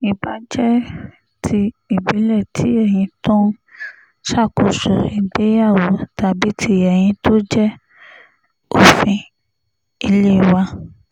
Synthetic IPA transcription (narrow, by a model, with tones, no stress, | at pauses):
i˨ba˨˦d͡ʒɛ˦ | tʰi˧i˨bi˨˦lɛ˦˨tʰi˨˦ɛ˦˨j̃ĩ˧tɔ̃˦ | ʃa˦˨ku˨su˨ɾi˧˨de˦ja˦˨wo˨˦ta˨˧bi˦tʰi˦ɛ˨j̃ĩ˧to˦d͡ʒɛ˦ | o˦˨fĩ˧ | i˧le˦˨wa˧